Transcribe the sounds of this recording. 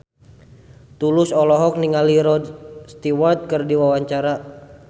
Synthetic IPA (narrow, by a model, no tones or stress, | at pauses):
t̪ulʊsɔlɔɦɔk̚niŋaliɾɔdst̪iwat̪̚kərdiwawaɲt͡ʃaɾa